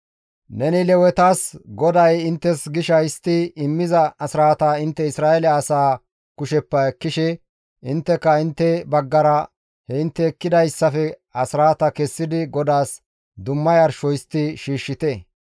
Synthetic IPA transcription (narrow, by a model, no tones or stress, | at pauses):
nɛnɪlɛwɛt̪aːsɡɔd̪ɐjɪnt̪ːɛsɡɪʃɐjɪst̪ːɪɪmːɪzɐɐsɾaːt̪ɐɪnt̪ːɛɪsɾaːɛlɛɐsaː | kʊʃɛpːɐɛkːɪʃɛ | ʔɪnt̪ːɛkːɐɪnt̪ːɛbɐɡːɐɾɐ | hɛɪnt̪ːɛːkːɪd̪ɐjsːɐfɛɐsɾaːt̪ɐkɛsːɪd̪ɪɡɔd̪aːs | d̪ʊmːɐjɐɾʃɔjɪst̪ːɪʃiːʃːɪt̪ɛ